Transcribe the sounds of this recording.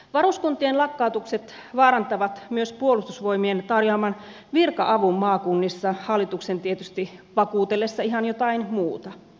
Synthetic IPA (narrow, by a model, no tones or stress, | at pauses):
ʋɑɾuskunt̪ienlɑkːɑˑut̪ukset̪ | ʋɑːɾɑnt̪ɑʋɑt̪myøspuolust̪usʋoimient̪ɑrjoɑmɑn | ʋirkɑ̰ʔɑʋumːɑːkunːisːɑhɑlːit̪uksent̪iet̪yst̪iʋɑkuːt̪elːesːɑiɦhɑnjot̪ɑinmuːt̪ɑ